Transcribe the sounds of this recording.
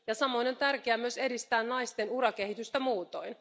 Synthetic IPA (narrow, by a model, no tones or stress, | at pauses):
jɑsɑmo̞inont̪ærkeæmyøse̞dist̪æːnnɑist̪e̞nuɾɑke̞hit̪yst̪æmuːt̪o̰in